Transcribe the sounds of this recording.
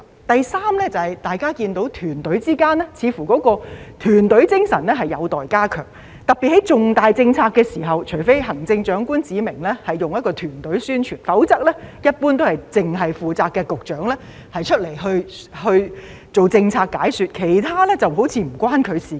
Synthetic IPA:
t̪ɐ˨jsaː˥mlɛː˥t͡sɐ˨hɐ˨˩jt̪aː˨jkaː˥kiː˧nt̪o˨˥wt̪ʰyː˨˩nt̪ɵ˨˥ɥt͡siː˥kaː˥nɛ˥t͡sʰiː˨˧fuː˨˩kɔː˨˥kɔː˧t̪ʰyː˨˩nt̪ɵ˨˥ɥt͡sɪ˥ŋsɐ˨˩nlɛ˥ɦɐ˨jːɐ˨˧wt̪ɔː˨jkaː˥kʰœ̰ː˨˩ŋ | t̪ɐ˨k̚pi˨t̚hɐ˨˥jt͡sʊ˨ŋt̪aː˨jt͡sɪ˧ŋt͡sʰaː˧kːɛː˧siː˨˩ɦɐ˨wt͡ʃʰɵ˨˩ɥfe˥jɦɐ˨˩ŋt͡sɪ˧ŋt͡ʃœː˨˥ŋkuː˥nt͡siː˨˧mɪ˨˩ŋlɛ˥hɐ˨jːʊ˨ŋjɐ˥t̚kɔː˧t̪ʰyː˨˩nt̪ɵ˨˥ɥsyː˥nt͡ʃʰyː˨˩nfɐ˨˥wt͡sɐ˥k̚lɛː˥jɐ˥t̚puː˥nt̪̬o˥hɐ˨jt͡sɪ˨ŋɦɐ˨jfuː˨t͡saː˧kːɛ˧kʊ˨k̚t͡ʃœː˨˥ŋlɛː˥ | hɐ˨jt͡ʃʰɵ˥t̚le˨˩jɦɵ˧ɥ | hɵ˧ɥ | t͡so˨wt͡sɪ˧ŋt͡sʰaː˧k̚ːaː˨˥jsyː˨˧t̚kʰe˨˩jt̪ʰaː˥lɛː˥t͡sɐ˨wɦo˨˥wt͡sʰiː˧m̩˨˩kʷaː˥nkʰɵ˨˧ɥsiː˨˥

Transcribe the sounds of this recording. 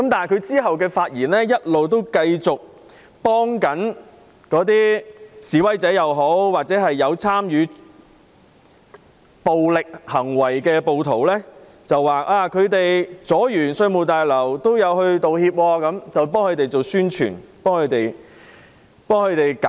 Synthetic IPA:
kɐ˦mt̪aː˨jkʰɵ˨˧ɥt͡siː˥ɦɐ˨wkɛː˧faː˧t̚jiː˨˩nlɛː˥jɐ˥t̚lo˨wt̪o˥wkɐ˧jt͡sʊ˨k̚ | pɔː˥ŋkɐ˨˥n | kɔː˨˧˥t̪̬iː˥siː˨˥wɐ˥jt͡sɛː˨˥jɐ˨˧wɦo˨˥wwaː˨k̚t͡sɛː˨˥ɦɐ˨jːɐ˨˧wt͡sʰaː˥mjyː˨˧ | po˨wlɪ˨k̚hɐ˨˩ŋwɐ˨˩jkɛː˧po˨˧wt̪ʰo˨˩wlɛː˥ | t͡sɐ˨wːaː˨kʔaː˧kʰɵ˨˧ɥt̪e˨jt͡sɔː˨˥jyː˨˩nsɵ˧mo˨˩t̪aː˨˩jlɐ˨˩wt̪o˥wjɐ˨˧whɵ˧ɥt̪o˨whiː˧p̚wɔː˧kɐ˨˥mt͡sɐ˨wp̬ɔː˥ŋkʰɵ˨˧ɥt̪e˨jt͡so˨wsyː˥nt͡ʃʰy̰ː˨˩npɔː˥ŋkʰɵ˨˧t̪e˨j | pɔː˥ŋkʰɵ˨˧ɥt̪e˨jk

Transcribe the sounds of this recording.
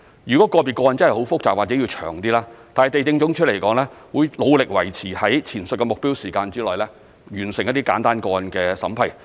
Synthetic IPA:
jɥyː˨kɔ˨˦˥kɔː˧pi˨˩kːɔː˧jɐ˨nt͡snhɐ˨jho˨˥wfʊ˥k̚t͡saː˨k̚waː˨˩t͡sɛː˨˥jiː˧t͡ʃʰœː˨˩ŋt̪iː˥laː˥t̪aː˨nhjt̪e˨jt͡sɪ˧ŋt͡sʊ˨˥ŋt͡ʃʰt̚le˨˩jkɔː˨˥ŋlɛː˥wuː˨˧jlo˨˧wlɪ˨k̚wɐ˨˩jt͡sʰiː˨˩hɐ˨˥jt͡sʰiː˨˩nsɵ˨t̚kɛ˧mʊ˨k̚piː˥wsiː˨˩kaː˧nt͡siː˥lɔː˨jlɛː˥ | jyː˨˩nsɪ˨˩ŋjɐ˥t̪̚i˥kaː˨˥nt̪aː˥nkɔː˧jɐ˨nkɛː˧sɐ˨˥mpʰɐ˨˩j

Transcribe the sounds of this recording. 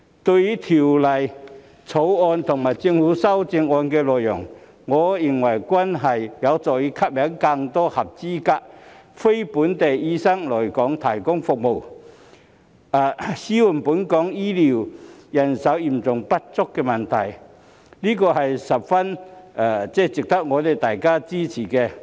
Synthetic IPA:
t̪ɵ˧ɥji˨˥t̪ʰi˨˩wlɐ˨˩j | t͡sʰo˨˥wɔː˧nt̪ʰʊ˨˩ŋmaː˨˩jt͡sɪ˧ŋhuː˨˥sɐ˥wt͡sɪ˧ŋɔː˧nkɛː˧lɔː˨jːʊ˨˩ŋː | ɔː˨˧jɪ˨˩ŋwɐ˨˩jkʷɐ˥nɦɐ˨jjɐ˨˧wt͡sɔː˨jiː˧˥kʰɐ˥p̚mɛ˨˥ŋkɐ˧ŋt̪ɔː˥hɐ˨˩p̚t͡siː˥kaː˧˥k̚fe˥jpuː˨˥nt̪e˨jiː˥sɐ˥ŋlɔː˨˩jkɔː˨˥ŋt̪ʰɐ˨˩jkʊ˥ŋfʊ˨k̚mo˨w | aː˨˧siː˥wu˨˩npuː˨˥nkɔː˨˥ŋjiː˥li˨˩wjɐ˨˩nsɐ˨˥wji˨˩mt͡sʊ˨ŋpɐ˥t̚t͡sʊ˥kːɛː˧mɐ˨˩nt̪ʰɐ˨˩j | liː˥kɔː˧hɐ˨jsɐ˨p̚fɐ˥na˨˧˩t͡sɛː˥t͡sɪ˨˩k̚t̪ɐ˥k̚ŋɔː˨˧t̪e˨˩t̪aː˨jkaː˥t͡siː˥t͡sʰiː˨˩kɛ˧

